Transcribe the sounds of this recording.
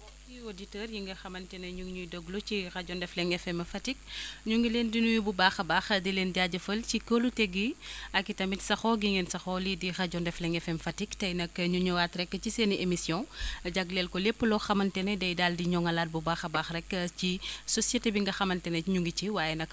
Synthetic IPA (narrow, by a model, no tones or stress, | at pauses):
ɔkioditɛːrjiŋɡɐxɐmɐntɛnɐɲuŋɲujdɔɡlut͡ʃixɐɟɔndɛflɛŋɛfɛmɐfɐtik̚ɲuŋɡileːndinuibubaːxɐbaːxɐdileːndaɟɐfɐlcikəlutɛɡiɐkːitɐmitsɐxɔɡiŋɛnsɐxɔlidixɐɟɔndɛflɛŋɛfɛmfɐtiktɐjnɐkːɐɲuɲuwatɾɛkːət͡ʃiseːniʔemisjɔ̃ɟɐɡlɛːlkɔlɛpːəlɔxɐmɐntɛnɛdɐjdaːldiɲɔŋɐlaːt̚bubaːxɐbaːxrɛkːəcisɔsjetebiŋɡɐxɐmɐntɛnɐɲuŋɡiciwaːjɛnɐk